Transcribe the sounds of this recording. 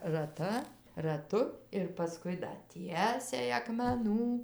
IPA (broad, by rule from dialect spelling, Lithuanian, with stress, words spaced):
rɐˈtɐ rɐˈtʊ ɪr pɐˈskʊɪ dɐ ˈtʲiɛsʲɛɪ ɐkmʲɛˈnuː